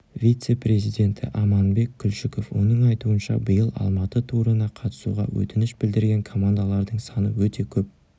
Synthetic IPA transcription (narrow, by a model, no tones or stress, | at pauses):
vʲijt̪se̞pɾʲe̞zijd̪ʲe̞nt̪ʰɪ̰ʔɑmɑnbe̞k̚ʲkʲːʏlʃɪko̞fwo̞̰nəɴɑjt̪uənʃɑ̰bəjəlˠɑ̰lˠmɑt̪ət̪ʰuɾənɑqʰɑt̪ə̥sṵʁɑ̰wɵ̰t̪ɪnɪʃbɪld̪ɪɾɡʲe̞ŋkʰo̞mand̪alˠɑɾd̪əɴsɑnəwɵt̪e̞kʲʰɵp̚